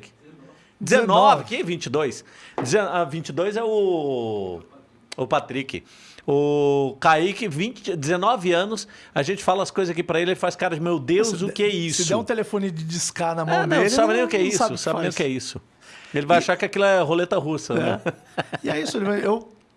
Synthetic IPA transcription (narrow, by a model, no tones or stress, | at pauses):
d͡ʒɪzenɔvɪkɪvĩt͡ʃɪd̪ojs | d͡ʒɪzeavĩt͡ʃɪd̪ojzɛʊ | ʊpat̪ɾikɪ̰ | ʊkaikɪvĩt͡ʃɪd͡ʒɪzenɔvɪɐ̃nʊsɐʒẽnt͡ʃɪ̥falɐɐskojzɐzakipɾɐelɪelɪfaskaɾɐd͡ʒɪmewd̪ewzʊkɪɛisd̪ãũt̪elefõnɪd͡ʒɪd͡ʒiskanɐmɐ̃anɐ̃w̃el̃ɪsabɪnẽj̃ʊkɪɛisʊsabɪnẽj̃ʊkɪɛisʊ | elɪvajaʃaɾkɪakilɐɛɦolet̪ɐɦusɐnɛ̰ | ɪɛisʊelɪaew